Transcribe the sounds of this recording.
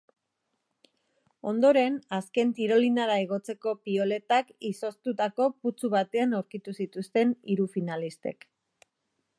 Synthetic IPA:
o̞nd̪o̞ɾe̞naske̞nt̪iɾo̞linaɾaeɣ̞o̞t͡se̞ko̞pio̞le̞t̪akiso̞st̪ut̪ako̞put͡suβat̪e̞anawɾkit̪usit̪ust̪e̞niɾufinalist̪e̞̰k

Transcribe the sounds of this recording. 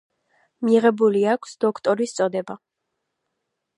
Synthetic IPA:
miʁɛbuliakʷʰsd̪ɔkʰt̪ʼɔɾist̪sʼɔd̪ɛba

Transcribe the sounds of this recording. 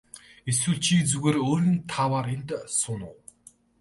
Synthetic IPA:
eswŭɬt͡ɕʰiːt͡suɣeːɾoːɾʲĭnt̪ʰawaːɾent̪sʊnʊː

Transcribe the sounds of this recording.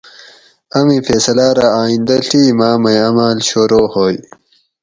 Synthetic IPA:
ɐmifeːsɐlaːɾaaːind̪ɐɬimaːmɐjaːmaːlɕoːɾoːhoːj

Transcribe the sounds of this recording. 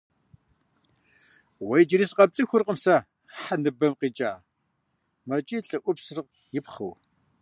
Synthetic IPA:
wɐjd͡ʒɪɾisqʼɐb̚t͡sʼɨxʷʊrqʼəmsɐ | ħanɨbɐmqiːt͡ʃʼaː | mɐt͡ʃʼiɬʼɐʔʷʊpsɨrq | jɪpχɨw

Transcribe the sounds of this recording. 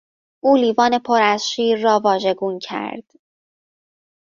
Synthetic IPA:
ʔuːliːvɒːne̞pʰoɾæzʃiːɾːɒːvɒːʒe̞ɡuːncʰæ̰ɾd̪̥

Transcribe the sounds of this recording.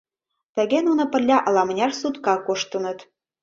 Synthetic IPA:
t̪ə̆ɣʲenunɤ̆pə̆rlʲɑʔɤ̆lɑmə̆nʲɑʃsut̪kɑkoʃt̪ə̆nɤ̆t̪

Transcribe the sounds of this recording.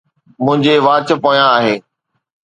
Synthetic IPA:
mʊ̃ɦɪ̃ɲd͡ʑeʋaːt͡ɕə̆poːjãaːɦeː

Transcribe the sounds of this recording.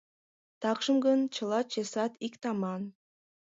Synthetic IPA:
t̪ɑkʃə̆mɡənt͡ɕɤ̆lɑt͡ɕesɑt̪ikt̪ɑmɑn

